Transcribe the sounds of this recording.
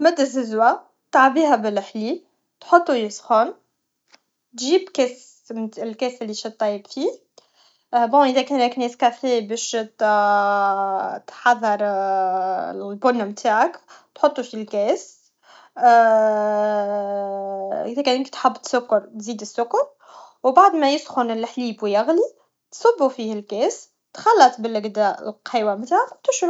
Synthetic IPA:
mæd̪ːɪzɪzwa | t̪aʕbiːɦæbɪləħli | t̪ħot̪ˤːujɪsxoːn | t̪ʒiːbkɛs | mɪlkɛːsɪlːiʃit̪ˤːɑjːəbfi | bõːʔəðɛkɛːnɛknɛːskæfebɛːʃt̪ | t̪ħɑðˤːɑɾˤ | lbʊnːmt̪ʰaːʕakt̪ħot̪ˤːufilkɛːs | ʔɪðækænkt̪ħabːt̪sʊkːʊɾˤt̪ziːd̪ɪsːʊkːʊɾ | wbaʕd̪mæjɪsxʊnɪlħliːbwijaɣli | t̪sˤɑbːufiːhɪlkɛːs | t̪xɑlːɑt̪ˤbɪlɪɡd̪aːʔɪ̰lqiːwamt̪aːʕakwt̪ʊʃ

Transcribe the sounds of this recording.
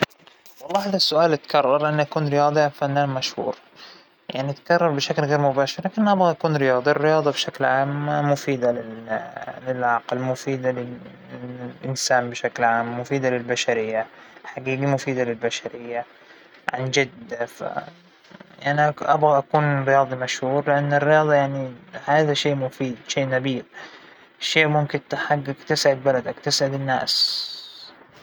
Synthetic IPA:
wɑlˤːɑːhaːðasːʊʔaːlat̪kɑrˤːɑɾˤʔanːʔakuːnɾɪjɑːd̪ˤʔanfanːaːnmaʃhṵːɾ | jaʕniʔat̪kɑrˤːɑɾˤbɪʃaklɣeːɾmʊbaːʃɪɾlakɪnːʔabɣaʔakuːnɾɪjɑːd̪ˤɑʔɪrːɪjɑːd̪ˤɑbʃaklʕaːmːʊfiːd̪alɪ | lɪlʕɑqlmʊfiːd̪alɪ | ʔɪnsaːnbɪʃaklʕaːmːʊfiːd̪alɪlbaʃaɾɪjːaħaɡiːɡimʊfiːd̪alɪlbaʃaɾɪjːa | ʕand͡ʒad̪afa̰ | ʔaʔaʕniʔa̰bɣaʔakuːnrːɪjɑːðˤimaʃhuːɾlɪʔanːɪrːɪjɑːðˤɑjaʕnihaːðaʃeːʔmʊfiːd̪ʃeːʔnabiːb | ʃːeːʔmʊmkɪnt̪ɪħaɡːakt̪ɪsʕɪd̪̚balad̪akt̪ɪsʕɪd̪ɪnːa̰ːs

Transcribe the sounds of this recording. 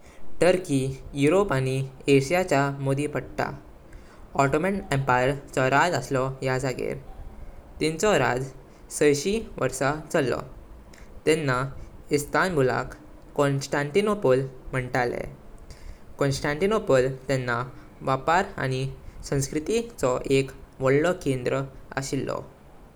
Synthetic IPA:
ʈ̪əɾkijuɾopañieɕijat͡ɕamod̪ʱipəɽʈ̪a̰ | ɔʈomɛʈempajəɾt͡sɔɾad͡zəslɔjasaɡḛɾ | t̪ĩnt͡sɔɾa̰d͡z | səjɕiʋəɾsat͡səlːɔ̰ | t̪ɛnːaist̪ʰanbʱula̰kː | ɔnsʈãɳʈinopolm̤əɳʈalḛ | kɔnsʈãɳʈinopəlt̪ɛnːa | ʋapaɾa̰ñisə̃w̃skɾit̪it͡sɔʔekʋɔɽlɔkend̪ɾəa̰ɕilːɔ̰

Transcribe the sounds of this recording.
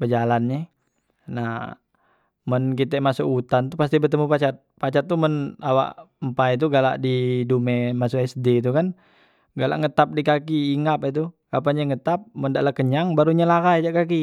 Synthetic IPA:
bəd͡ʒalanɲɛ | nah | mənkit̪ɛmasuʔut̪ant̪upast̪ibət̪əmupat͡ʃat̪̚pat͡ʃat̪ːumənawa̰ʔmpait̪̬uɡala̰ʔdidumɛmasuɛsdeit̪ukan | ɡala̰ʔŋət̪ap̚dikakiːŋapit̪̬ukapaɲaŋət̪ap̚məndaʔlakəɲaŋbaɾuɲəlakajd͡ʒaʔkak̬i

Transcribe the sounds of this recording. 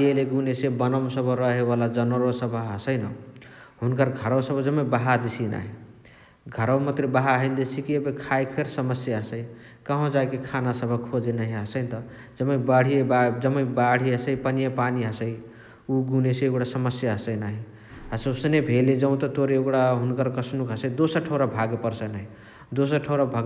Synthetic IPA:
eleɡunesẽbənəmsəbʱəɾəɦebalad͡ʒənəɾosəbʱaɦəsəjnə | ɦunkəɾɡʱəɾəwsəbʱd͡ʒəmə̃baɦad̪esina̰ɦi | ɡʱəɾəwmət̪ɾebaɦaɦənd̪esikiebekʰajkpʰeɾsəməsjaɦəsəɪ | kəɦõd͡ʒajkekʰanasəbʱəkʰod͡ʒenəɦiɦəsəɪt̪ʌ | d͡ʒəməibaɽ̤iebad͡ʒəməĩbaɽ̤iɦəsəɪpənijepaniɦəsə | uɡuneseeɡɽasəməsjaɦəsəɪnaɦi | ɦəsəusnebʱeled͡ʒəʊ̃t̪ət̪oɾeoɡɽaɦunkəɾkəsnukɦəsəjd̪osəɾʈʰoʊɾabʱaɡepəɾsənaɦi | d̪osəɾʈʰəʊɾabʱaɡ

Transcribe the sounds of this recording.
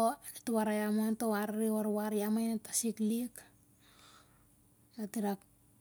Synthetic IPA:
onituwaɾajamantowaɾaɾiwaɾwaɾiamajntasiklik | jatiɾak

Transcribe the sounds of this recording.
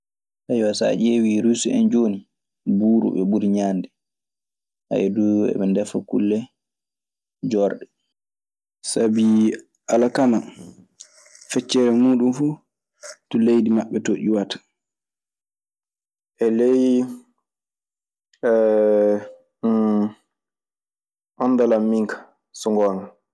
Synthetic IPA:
tajwasa̰ʔewiɾusɛ̰nd͡ʒoːni | buːɾṵɓɛɓuɾiɲaːndɛ | ha̰jɛduɛ̰ɓɛndɛfakṵlːɛ | d͡ʒɔɾɗɛ | sabi | ʔalakana | fɛt͡ʃːɛɾɛmuːɗunfuː | tulejdimaɓːɛtoʔiwatḁ | ʔɛlej | ɛ | ʔɔnːdalamːiŋkḁ | sɔŋɡɔːna

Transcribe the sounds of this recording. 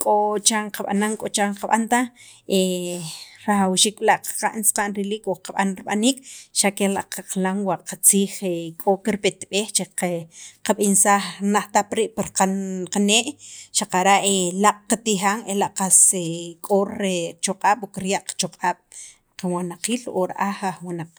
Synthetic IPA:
kʼot͡ʃaɴqaɓa̰naŋkʼot͡ʃaɴqaɓa̰nt̪ae | ɾaχawʃiːk̚laʔqḁqa̰ʔnsqaʔnɾiliːkoqaɓanɾiɓaniːkʃakela̰ʔqaqlaŋwaʔqat͡siːχekʼokiɾpet̪ɓeːxt͡ʃeqqaɓinsaːχnaχt̪apɾiːʔpaɾqaqaneːʔʃaqaɾaʔelaʔʼqat̪ixaːŋelaʔqasekʼoɾet͡ʃoqʼaːɓ̥okiɾjaʔqḁt͡ʃoqʼaːɓ̥ | qawanaqiːlo̰ɾaʔaχaχwinaq͡χ

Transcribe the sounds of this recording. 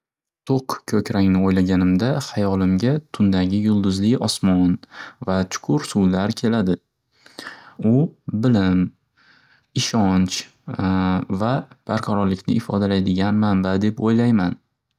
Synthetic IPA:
t̪ʰoqkʲʰɵkʲɾaŋnɪojlaɡʲanɪmd̪ahajɒlɪmɡʲat̪ʰʊnd̪aɡʲɪjʊlˠd̪ʊzlɪɒsmɒnvat͡ʃʰʊ̥kʰʊɾsuwlaɾkʲʰe̞lad̪ɪ | ʊbɪlɪm | ɪʃɒnt͡ʃ | vab̥aɾqʰɑɾɒɾlɪkʲnɪɪfɒd̪alajd̪ɪɡʲanmambad̪e̞pojlajman

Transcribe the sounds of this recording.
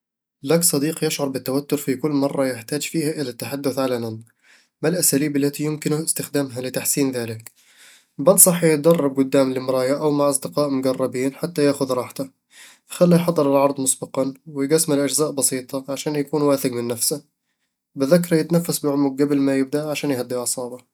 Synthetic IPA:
laksˤɑd̪iːqjɪʃʕʊɾˤbɪt̪ːawat̪ːʊɾfikʊlːmɑrˤːɑjɪħt̪aːd͡ʒfiːhaʔɪlat̪ːaħad̪ːʊθʕalanan | malʔasaːliːbalːat̪ijɪmkɪnɪst̪ɪxd̪aːmɦalɪt̪aħsiːnðaːlɪk | bɑd̪sˤɑħːjɪt̪̚d̪ɑrˤːɑb̚ɡʊd̪ːaːmlɪmɾˤɑːjaʔawmaʕʔɑsˤd̪ɪqɑːʔmʊɡɑrˤːɑbiːnħat̪ːajaːʔxʊðɾˤɑːħt̪ḁ | xalːajħɑd̪ˤːɨɾɪlʕɑɾˤd̪ˤmʊsbɑqɑnwɪjɡasːmɪlʔad͡ʒzaːʔbɑsiːt̪ˤɑʕaʃaːnjakuːnwaːθɪɡmɪnːafsa | bɪðakːɑɾˤɑjɪt̪nafːasbɪʕʊmʊk̚ɡablmajɪb̚d̪aʔʕaʃaːnjhad̪ːiʕɑsˤɑːbɑ

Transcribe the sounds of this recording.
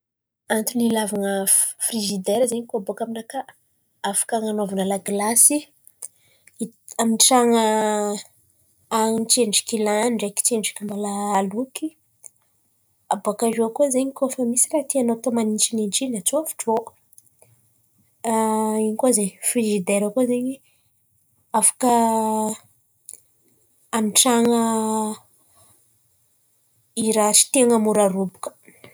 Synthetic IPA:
ant̪unilavanəfriʒid̪eɾzeɲikoabokaminaka | afḁkaŋanovanalaɡlasi | aminʈ͡ʂaŋə | aŋt͡ʃeɳɖ͡ʐi̥kilaɳɖ͡ʐaki̥t͡ʃeɳɖ͡ʐi̥kʲimbalaːluki | abakaʒuakozeɲikofamisirat̪ianat̪omanint͡ʃininʈ͡ʂinat͡suafi̥ʈ͡ʂo | iɲikozeɲfiʒid̪eɾakozeɲi | afḁkə | anʈ͡ʂaŋə | iɾaʈ͡ʂi̥t̪eŋəmuɾaɾubu̥kə̥

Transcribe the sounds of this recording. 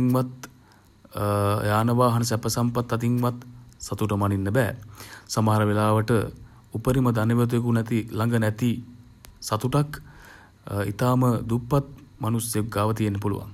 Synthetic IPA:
ŋʋat̪ | jaːnəʋaːɦɐnəs̬ɛpəsampat̪ːat̪iŋʋat̪sat̪uʈəmaninːəbɛːsamɐɦɐɾəʋelaːʋəʈə | upəɾiməd̪aniʋət̪̬uekunɛt̪ilaŋɡənɛt̪i | sat̪uʈak | it̪aːməd̪upːat̪̚manusjeɡaːʋət̪ijenːəpulṵʋa̰ŋ

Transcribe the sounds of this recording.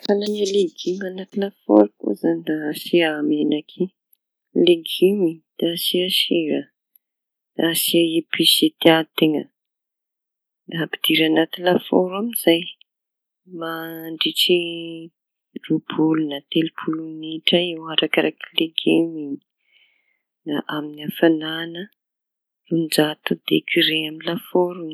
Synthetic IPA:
fananaleɡimanat̪inafo̰ɾkṵzanasiamenakʰi | leɡimid̪̥asiaʃiɾə | asiaepiset̪iat̪eŋə | api̥d̪̥iɾanat̪ilafo̰ɾamiz̥aj | maɳɖ͡ʐiʈ͡ʂi | rub̥ulunat̪elipʰuluniʈ͡ʂəewaɾakaɾakileɡemiɲi | naʔaminiafananə | und͡ʒat̪ud̪ḛkʰiɾeaminlafoɾu

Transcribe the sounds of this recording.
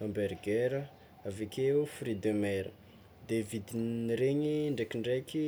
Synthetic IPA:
ambeɾɡeɾə | avekʰeufrid̪emɛɾə̰ | d̪evid̪iniɾeɲiɳɖ͡ʐekiɳɖ͡ʐeki

